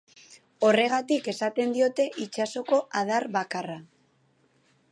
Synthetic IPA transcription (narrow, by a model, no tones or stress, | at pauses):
o̞re̞ɣ̞at̪ike̞sat̪e̞nd̪io̞t̪e̞ʔit͡ʃaso̞ko̞ʔað̞aɾβakara